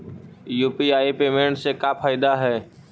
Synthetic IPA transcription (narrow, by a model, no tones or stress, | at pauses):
juːpiaːipeːmẽːɳʈsekapʰaːɪd̪aɦɛː